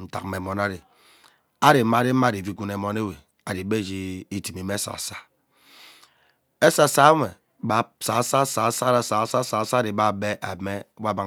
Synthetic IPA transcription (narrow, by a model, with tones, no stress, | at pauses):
n̩˦˨ta̰˨k̩̚˦e˨mɔ˨na˦ɾi˨ | a˦ɾi˨˦ma˦ɾi˦ma˦˨i˨vi˦ku˨ne˨mɔ˨ne˦we˨ | a˨di˨be˦˨d͡ʒi˦i˨ti˨mi˨me˦sa̰˨sa˦ | e˦sa˨sa˦me˨ | ba˨˦sa˨˦sa˦sa˨˦sa˦ɾa˨˦sa˨˦sa˦sa˨˦˨sa˦ɾi˨ba˦be˦ʔa˨me˦ba˦ba˨